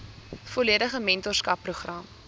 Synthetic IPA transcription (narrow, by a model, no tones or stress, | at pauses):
foliədəχəmɛntɔrskɐpːruχrɐm